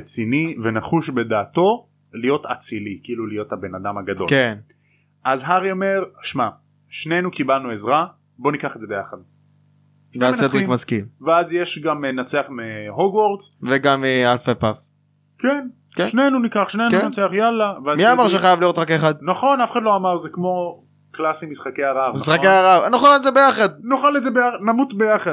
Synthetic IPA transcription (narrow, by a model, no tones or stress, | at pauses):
et͡sinivenaχuʃbed̪aːt̪o | lijo̞t̪at͡silikiilulijo̞t̪habe̞nad̪amaɡadlo̞̰ken | ʔazɦaʁiomeʁʃma | ʃne̞jnukibalnuezʁa | bo̞nikaχedzebejaχad̪̚ | naːsed̪ʁikmaskimveazjeʃɡamnat͡seaχmeɦoɡwoʁdzveɡamealfapaf | ken | keʃnenunikaχʃnejnkunat͡seaχjalaveamiamaʁʃ̬eχajavlijʁo̞t̪ʁakeχad̪̚naχo̞nafeχad̪lo̞amaʁzekmo̞ | klasimisχakeaʁavmisχakeaʁavanoχalaezebe̞jaχad̪̚noχalezebejanamut̪bejaχad